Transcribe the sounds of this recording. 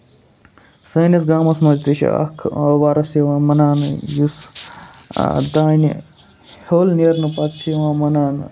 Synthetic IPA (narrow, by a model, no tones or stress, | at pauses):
sɐnɐsɡaːmɐsmɐzt̪iʃḭɐ̰kʰʋaːɾɐseʋãːmɐnaːnjus | d̪aːni | hoːlniɐɾnɨpɐt̪ʰiʋãːmɐnaːn